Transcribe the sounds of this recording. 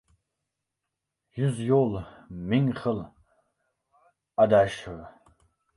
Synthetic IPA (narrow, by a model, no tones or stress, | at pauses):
juzjoːlmiŋχəl | ad̪aːʃɨr